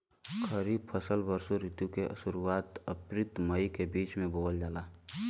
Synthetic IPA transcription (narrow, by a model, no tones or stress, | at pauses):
kʰəɾiːb̚pʰəsəlbəɾsoɾit̪jukeʔə̰suɾuwaːt̪əpɾɪt̪məjkebiːt͡ʃmẽboːəld͡ʒaːlaː